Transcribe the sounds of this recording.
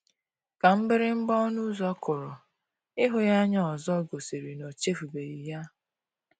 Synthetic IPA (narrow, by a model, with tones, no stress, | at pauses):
ka˨m̩˦bɪ˦ɾɪ˦m̩˦bɔ˦nu˦zɔ˦kʊ˨ɾʊ˨ | ɪ˦ɦʊ˦ja˦ɲɔ˦ɔ˨zɔ˦ɡo˨si˨ɾi˨no˨t͡ʃe˦fu˨be˨i˨ja˦